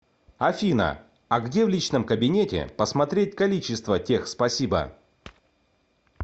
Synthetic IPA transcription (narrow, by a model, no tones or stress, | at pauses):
ɐfʲinə̰ | ɐɡdʲe̞vlʲit͡ɕnəmkəbʲɪnʲetʲɪ̰pəsmɐt̪ɾʲet̚ʲkɐlʲit͡ɕɪst̪vətʲe̞xspɐsʲibə̰